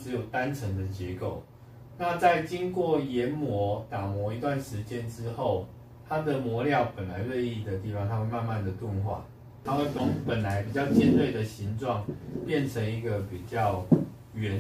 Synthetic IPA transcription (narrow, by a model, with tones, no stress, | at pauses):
ɻ̩˧˦jo˨˩ʊt̪a˦nʈ͡ʂʰə˧˥ŋd̪ə˨t͡ɕjɛ˧˥ko˥˩ʊ | na˥˧t͡sa˥˨ɪt͡ɕi˦˥nkwɔ˥˩jɛ˧˦˥nmwɔ˧˦t̪a˨˩mwɔ˨˥i˧t̪̬wa˥˩nʂɻ̩˧˦t͡ɕjɛ˦nʈ͡ʂɻ̩˦xo˥˩ʊ | t̪ʰa˥d̪ə˨mwɔ˧˦ljɑ˥˩ʊpə˨˩nla˨˦ɪlwe˥˧ɪi˥˩d̪ə˩t̪i˥˩fɑ˥˦ŋt̪ʰa˥xwe˥˧ɪma˥˧nma˥˨nd̪ə˨˩t̪wə˥˧nxwa̰˥˩ | t̪ʰa˥xwe˥˩ɪt̪o˥˩ŋpə˨˩nla˨˧˦ɪpi˨˩t͡ɕjɑ˥˧ʊt͡ɕjɛ˥˧˦nt̪we˥˩ɪd̪ə˨ɕi˧˦ŋʈ͡ʂwɑ˥˨ŋpjɛ˥˨nʈ͡ʂʰə˧˥ŋi˧˥ɡə˨pi˨˩t͡ɕjɑ˥˩ʊ | ɥɛ˨˩n